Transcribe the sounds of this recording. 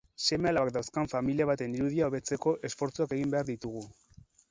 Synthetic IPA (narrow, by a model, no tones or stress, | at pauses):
se̞mealaβakd̪awskaɱfamiliaβ̞at̪e̞niɾuðiao̞βe̞t͡se̞ko̞ʔe̞sfo̞ɾt͡suake̞ɣimbe̞aɾðit̪uɣ̞u